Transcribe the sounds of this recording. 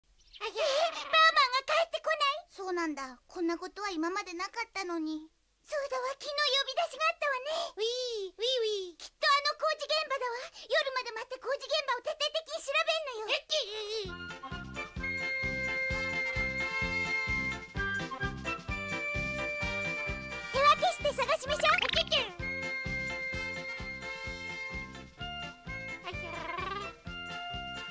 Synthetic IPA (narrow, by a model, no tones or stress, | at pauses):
ajeebaːmãŋɡakaet̪ːe̞ko̞naiso̞ːnãnd̪akõ̞nːako̞t̪o̞βaimamad̪e̞nakat̪ːano̞ɲ̟i | soːd̪aβakʲino̞jo̞bʲid̪aɕiɡaːt̪ːaβane̞iiɯikʲi̥t̪ːo̞ano̞ko̞ːʑiɡẽ̞mbad̪aβajo̞ɾɯ̟mad̪e̞mat̪ako̞ːʑiɡẽ̞mbao̞t̪et̪ːe̞ːt̪e̞kʲiɲ̟iɕiɾabe̞nːo̞joet̪ːe | t̪eβakeɕi̥t̪e̞saɡaɕimaɕoːokekʲẽ